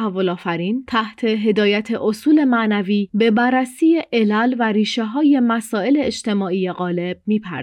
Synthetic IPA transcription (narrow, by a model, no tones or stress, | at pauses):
ævːo̞lɒːfæɾiːnt̪ʰæht̪ʰe̞ɦe̞d̪ɒːjæt̪ʰe̞ʔosuːle̞mæʔnæviːbe̞bærːæsiːjeʔelælvæɾiːʃe̞ɦɒːje̞mæsɒːe̞le̞ːʃt̪ʰe̞mɒːʔijeɣɒːle̞b̥̚miːpʰæ̰ɾ